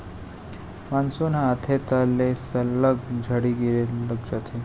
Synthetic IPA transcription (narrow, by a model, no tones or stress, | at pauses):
mansonaːt̪ʰet̪alesəlːəɡd͡ʑʱəɽiɡiɾeləɡ̚d͡ʑat̪ʰe